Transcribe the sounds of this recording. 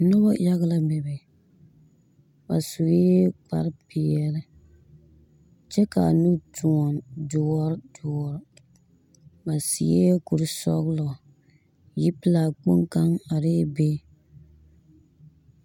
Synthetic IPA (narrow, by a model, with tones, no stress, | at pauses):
nɔ˦bɔ˦ja˦ɣla˦mɛ˨bɛ˨ | ba˨su˨ɣe˦k͡pa̰˨ɾpi˨ɛ˨lɨ˦ | t͡ʃɛ˦ka̰˨nu˦tʰu˨ɔ˨ndʊ˨ɔ˦ɾdʊ˨ɔ˦ɾ | ba˨sḭ˨je˦ku˨ɾsɔ˦ɣlɔ˨ | ji˦pɨ˦la˨k͡po˦ŋka˦ŋa˨ɾe˦be˦